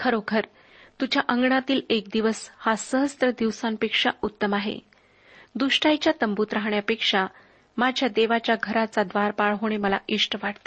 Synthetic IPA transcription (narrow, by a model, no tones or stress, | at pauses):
kʰəɾokʰəɾ | t̪ud͡ʑjaʔəŋɡɳat̪iːlek̚d̪iʋəshasəɦəst̪ɾəd̪iʋsampekʂaut̪ːəmaɦḛ | d̪uʂʈajt͡ɕjat̪əmbuːt̪ɾaɦɳjapekʂa | mad͡ʑʱjad̪eʋat͡ɕjaɡʱəɾat͡sad̪ʋaɾpaɭɦoɽ̃eməla̰ʔiʂʈʋaʈʰt̪e̥